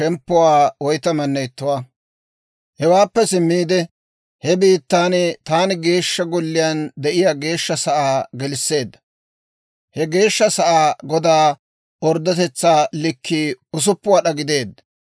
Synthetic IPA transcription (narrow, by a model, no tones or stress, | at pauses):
ʃɛmpːʊwaːwɔjt̪ɐmɐnːɛjt̪ːʊwaː | hɛwaːpːɛsɪmːiːd̪ɛ | hɛbiːt̪ːaːnɪt̪aːnɪɡe̞ːʃːɐɡɔlːɪjɐnd̪ɛʔɪjaːɡe̞ːʃːɐsɐʔaːɡɛlɪsːe̞ːd̪ːɐ̥ | hɛɡe̞ːʃːɐsɐʔaːɡɔd̪aː | ɔɾd̪ɔt̪ɛt͡sːaːlɪkʰːiʊs̬ʊpːʊwaːɗɐɡɪd̪e̞ːd̪ɐ